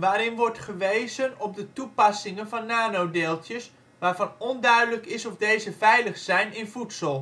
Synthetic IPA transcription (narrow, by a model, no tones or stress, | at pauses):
ʋaːɾɪnʋɔrtχəʋejzənɔp̚dətupɑsɪŋənvɑnːaːnowdeːlˠtjəs | ʋaːrvɑnɔndœɥdələkɪsɔfdejzəfɛjləχsɛjnɪnfutsəlˠ